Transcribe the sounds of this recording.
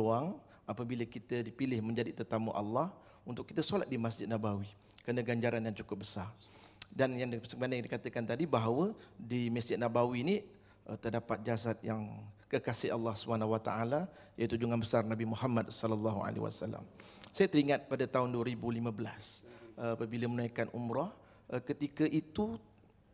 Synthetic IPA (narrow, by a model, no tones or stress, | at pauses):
oaŋ | ʔapəbiləkit̪ədipilɪhməɲd͡ʒadit̪ərt̪aməʔɑlːɑh | unt̪ʊkːi̥t̪əsola̰t̪̚dimasd͡ʒɪd̪̚nabawi | kənəɡaɲd͡ʒaɾanjaŋt͡ʃukʊp̚bəsar | danjaŋsəŋbanadikat̪əkant̪adibaɦawədiməsd͡ʒɪd̪̚nabawini | ət̪ərdapat̪̚d͡ʒas̬at̪̚jaŋkəkasɪʔɑlˠːɑhsəbanaɦuwat̪a̰ala | jait̪ud͡ʒuŋanbəsarnabimuhamadsɔləlːɑɦua̰lḛwa̰salːa̰m | sajət̪əɾiŋat̪̚padat̪aʊnduəɾibulimə̃bəla̰sapəbiləmənajkanʔumɾɔh | kət̪ikəʔit̪u